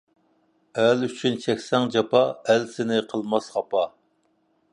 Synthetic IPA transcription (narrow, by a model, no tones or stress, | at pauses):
ælyt͡ʃʰynt͡ʃʰɛkʲsɛŋd͡ʒɑpɑælsɪnɪqʰəlˠmɑsχɑpɑ